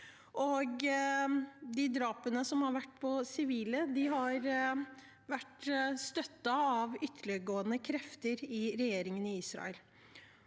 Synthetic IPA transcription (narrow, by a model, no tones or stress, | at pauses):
ʔɔɡ | d̪ɪd̪ɾɑːpənəsɔmhɑɾʋæʈːpʰɔsɪʋiːləd̪ɪɦɑɾ | ʋæʈːst̪œt̪ːɑɑʋʏt̪ʰːəɭɪəɡoːənəkʰɾɛft̪əɾɪɾɛjeːɾɪŋənɪɪsɾɑ̰əl